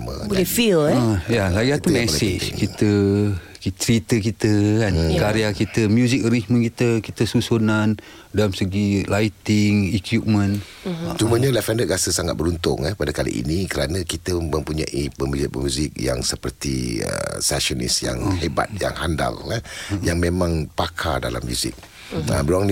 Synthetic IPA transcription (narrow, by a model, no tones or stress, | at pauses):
mə̰blɛfiləjalaɡiat̪umɛsɪd͡ʒkit̪ə | kit͡ʃɾit̪ək̬it̪əkankaɾeakit̪əmjuzɪk̚ɾihmə̃nkit̪əkit̪əsusunan | dalamsəɡilait̪ɪŋɛkip̚mə̃n | t͡ʃuməɲalafɛndəɡasəsaŋa̰t̪̚bəɾunt̪ʊŋəpadakalḭʔḭnikəɾanakit̪əmə̃mpuɲa̰ʔipəmuzipəmjuzɪk̚ja̰ŋsəpərt̪ḭə̰sɛʃɔnḭsja̰ŋheba̰t̪̚ja̰ŋhanda̰lajaŋmẽmãŋpakʰadala̰mːjṵzɪ̰k̚ | ə̰mbəɾoaŋn